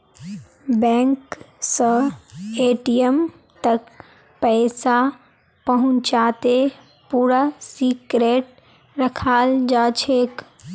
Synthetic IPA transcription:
bɛ̃ːŋk | sə̃eːʈijəm | t̪ək | pɛːsa | pəɦʊ̃ɲt͡ʃaːt̪e | puːɾasiːkɾeːʈ̚ | ɾəkʰaːld͡ʒaːt͡ʃʰeːk

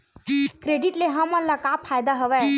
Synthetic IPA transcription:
kɾeɖiʈleɦəmənlakapʰːajd̪aɦəʋɛ

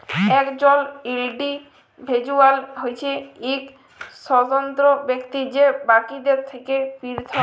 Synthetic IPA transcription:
ɛkd͡ʑɔlilɖi | bʱed͡ʑualɦojt͡ɕʰeik | ʃɔt̪ont̪ɾobekt̪id͡ʑebakid̪eɾt̪ʰekepiɾt̪ʰo

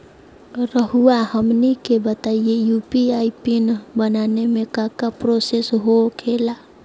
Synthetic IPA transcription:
ɾəɦuahəmnikebət̪aijejupiaipinbənanemẽkakapɾosesɦokʰela

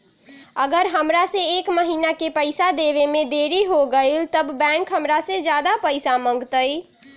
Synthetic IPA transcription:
əɡəɾɦəmɾasẽekməɦinakepəɪsad̪eβemed̪eɾiɦoɡəɪlt̪əbbɛ̃ŋkɦəmɾasẽd͡ʒjad̪apəɪsaməŋɡt̪əj

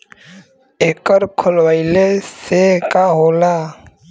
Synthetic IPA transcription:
eːkəɾkʰʊlwailesekaɦoːla

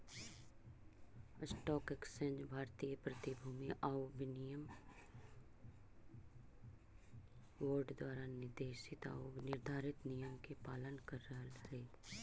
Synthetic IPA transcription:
sʈɔːkɛksə̃ɲd͡ʒbʱaːɾt̪ijəpɾɐt̪ibʱuːmiʔaːobɪnijəm | ʋoːɾɖd̪waːɾanɪɾd̪eːʃɪt̪a̰ːonɪɾd̪ʱaːɾɪt̪nijəmkepaːlənkəɾːəɦəle

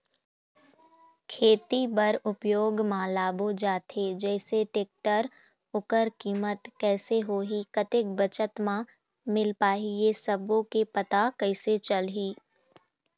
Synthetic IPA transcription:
kʰeːt̪ibɐɾʊpjoːɡmãːlaːbod͡ʒaːt̪ed͡ʒɛːseʈeːk̚ʈəɾ | ʊkəɾkiːmət̪kɛːseɦoːɦikɐt̪ɪk̚bət͡ʃət̪mã | mɪlpaːɦiesɐbõkepɐt̪akɐɪset͡ʃɐlɦiː

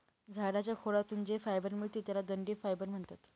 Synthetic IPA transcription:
d͡zʱaɽat͡ɕjakʰoɽat̪uːnd͡zefajbəɾmiɭt̪iːt̪jalaɡ̪əɳɖiːfajbəɾm̤əɳt̪at̪

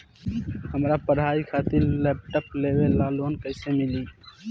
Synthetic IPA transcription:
həmɾapəɽɦaikʰat̪ɪɾlɛp̚ʈəplewelaloːnkəɪsemili

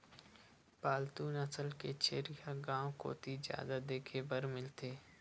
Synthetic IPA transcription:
paːlt̪uːnəsəlket͡ʃʰeːɾjaɡãːw̃ko̰ːt̪ʰizja̰ːd̪ad̪eːkʰeːbəɾmɪlt̪ʰeː

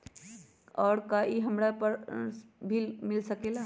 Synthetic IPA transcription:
ɔːɾkaʔiɦəmɾapəɾbʱilmɪlsəkeːla

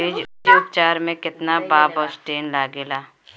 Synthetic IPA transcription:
iːd͡ʒʊjuːk̚t͡ʃaːɾmẽkɪt̪nabaːbɔːsʈeːnlaːɡeːlaː

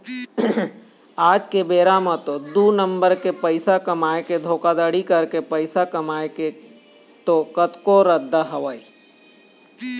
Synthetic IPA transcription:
aːd͡ʒkebeːɾamãt̪od̪unə̃mbəɾkepəɪsakɐmaːeked̪ʱoːkad̪aɽikəɾkepəɪsakɐmaːeke | t̪oːkət̪koɾəd̪ʱːaɦɐʋəi

